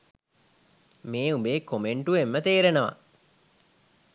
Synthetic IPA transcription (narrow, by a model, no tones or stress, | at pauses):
meːubeːkomeɳʈuʋemːət̪eːɾenəʋa̰